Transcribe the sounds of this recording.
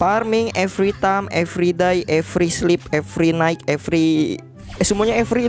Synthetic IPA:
parmiŋɛfɾit̪amɛfɾidajʔɛfɾislip̚ɛfɾinaɪkɛfɾi | sumuaɲaɛfɾi

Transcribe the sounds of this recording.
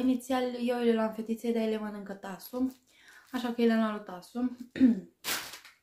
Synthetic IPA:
init̪sialjewilelamfet̪it̪sed̪aelemənɨŋkət̪asu | aʃakəjelanalut̪asu

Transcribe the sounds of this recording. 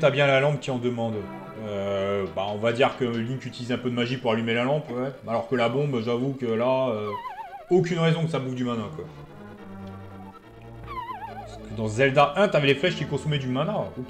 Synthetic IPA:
t̪abjɛ̃lalɑ̃p̚kʲiɑ̃d̪əmɑ̃d̪ | øbaɔ̃vad̪iʁkəlynt̪yt̪ilizɛ̃pød̪əmaʒipuʁalymelalɑ̃pwɛalɔʁkəlabɔ̃bʒavukəlaø | okʲynʁezɔ̃kəsabufd̪ymãnɛ̃kwa | skəd̪ɑ̃zɛld̪aʔɛ̃t̪yavɛleflɛʃkʲikɔ̃sɔmɛd̪ymãnɛ̃

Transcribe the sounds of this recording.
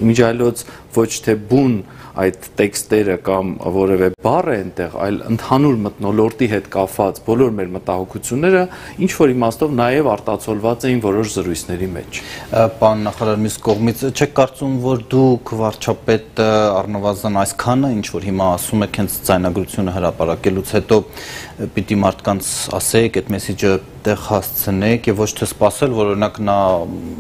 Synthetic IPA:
mind͡ʒʰɑjlɔt͡sʰ | vɔt͡ʃʰt̪ʰɛbun | ɑjt̪ːɛkst̪ɛɾəkɑmvɔɾɛvɛbɑrɛɛnt̪ɛʁɑ̰jlə̰nt̪ʰɑnuɾmət̪nɔlɔɾt̪iɦɛt̪kɑpvɑt͡sbɔlɔɾmɛɾmət̪ɑhɔkʰut͡sʰjunːɛɾə | int͡ʃʰvɔɾimɑst̪ɔvnɑjɛvɑɾt̪ɑt͡sʰɔlvɑt͡sɛjinvɔɾɔʃzəɾujt͡sʰnɛɾimɛ̰t͡ʃʰpɑɾunːɑχɑɾɑɾmjuskɔʁmit͡sʰt͡ʃʰɛkʰːɑɾt͡sumvɔɾd̪ukʰvɑɾt͡ʃʰɑpɛt̪əɑrnəvɑzənɑjskʰɑnəint͡ʃʰvɔɾɦimɑːsumɛkʰhɛnt͡sʰd͡zɑjnɑɡɾut͡sʰjunəɦəɾɑpɑɾɑkɛlut͡sʰhɛt̪ɔ | pit̪imɑɾt̪ʰkɑnt͡sʰɑ̰sɛɛkʰɛt̪mɛsid͡ʒət̪ɛʁhɑst͡sʰənɛkʰjɛvːɔt͡ʃʰt̪ʰɛspɑsɛlvɔɾɔɾinɑknɑ

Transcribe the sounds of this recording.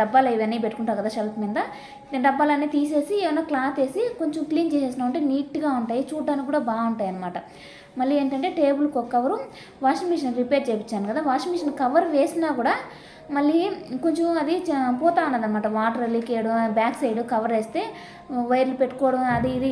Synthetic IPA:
ɖɐbːaːlɐiʋɐnːiːp̬eʈːukuɳʈaːɾkɐd̪aːʃelpmind̪ɐ | ɖɐbːaːlɐnːiːt̪iːse̞ːsieːʋɐnːaːklaːt̪e̞ːsiko̞ɲt͡ʃɐmkliːnt͡ʃeːseːs̬inaːʋɐɳʈeːniːʈɡaːuɳʈaːjit͡ʃuːɖaːnikkuːɽaːbaːuɳʈaːjɐnːɐmaːʈɐ | mɐɭːieːɳʈɐɳʈe̞ːʈe̞ːbulkɔkːɐʋɐɾu | ʋaːʂɐnmiʂɐnɾipeʈ̚t͡ʃeːjpit͡ʃːaːnukɐd̪aːʋaːʂimiʂɐnkɐʋɐɾʋeːsinaːkuːɽaː | mɐɭːiko̞ɲt͡ʃɐmɐd̪ipɔːt̪aːunːaːd̪ɐnɐmaːʈɐʋaːʈɾeliːkejɽubjaːksɐjɽukɐʋɐɾʋeːst̪e̞ː | ʋɐjɾlupeʈːukɔːɽɐmɐd̪iːd̪i

